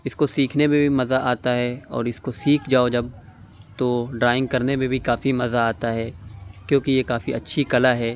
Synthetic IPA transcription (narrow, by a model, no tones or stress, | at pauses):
ɪskosiːkʰnemẽbʱimɐzaʔaːt̪aɦɛɔ̰ːɾɪskosiːkʰd͡ʒaːod͡ʒɐb̚ | t̪oɖɾaːɪ̃ŋɡ̚kɐɾnemẽbʱikaːfimɐzaaːt̪aɦɛːkjõːkijekaːfiɐtːʃʰikɐlaɦɛː